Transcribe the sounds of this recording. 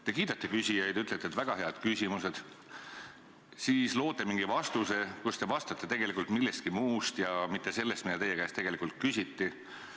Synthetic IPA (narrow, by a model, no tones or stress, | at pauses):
t̪e̞kiːd̪ɑt̪ːe̞kysʲijɑjd̪̥yt̪let̪ːet̪ːvæɡ̥ɑɦe̞ɑd̪̥kysʲimuse̞d̪̥ | siːslo̞ːt̪ːˑe̞miŋɡivɑst̪use̞kust̪e̞vɑst̪ɑt̪ːˑe̞t̪e̞ɡ̥e̞likˑult̪milːest̪̚kimuːst̪jɑmit̪ˑːe̞se̞lːest̪mid̪ɑt̪e̞jekæːst̪e̞ɡelikult̪̚kysʲit̪ˑːi